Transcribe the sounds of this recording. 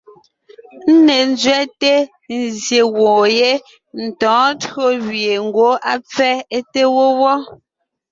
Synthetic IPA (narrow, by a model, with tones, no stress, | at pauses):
n̩˦ne˨n˦zɥɛ˦te˦ | n˨zje˨wɔ̃ː˨je˦ | n̩˨tɔ̃ː˨˦tɰo˦wɥje˨ŋ̩˨ɡwo˦a˦p͡fɛ˦e˦te˦wo˦wɔ˦